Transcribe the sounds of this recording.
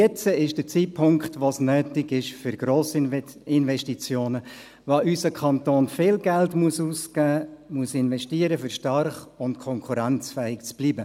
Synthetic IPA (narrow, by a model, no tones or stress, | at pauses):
ɛt͡səɪʃd̥əɾt͡sipʰʊŋkχtʋosnœːtɪɡɪʃfʏɾɡ̥ɾoːsɪnvɛʃtit͡sjoːnə | ʋoʔysəkʰɑnt̪oːnfɪːlɡɛltmuəsuːskæːmuəsɪnʋɛʃtiəɾəfʏɾʃtɑrχʊntkʰɔŋkʰuɾænt͡sfɛːɪkt͡sb̥liːbə